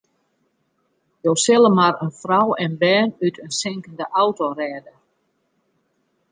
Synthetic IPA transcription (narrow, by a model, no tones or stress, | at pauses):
joːsɪlˠəmaɾənfrawɛnbɛːnytʰənsɪŋkəndəʔawtorɛːdə